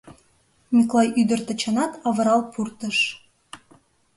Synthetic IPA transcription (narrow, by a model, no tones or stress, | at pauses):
mʲiklˠɑjʔyd̪ə̆rt̪ə̆t͡ɕɑnɑt̪ɑβɤ̆ɾɑlˠpʰurt̪ə̆ʃ